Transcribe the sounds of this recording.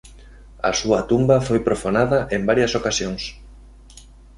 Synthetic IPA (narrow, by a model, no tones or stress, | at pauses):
ɐ̰suɐt̪umbɐfojpɾofonaðɐʔembaɾjɐsokasjoŋs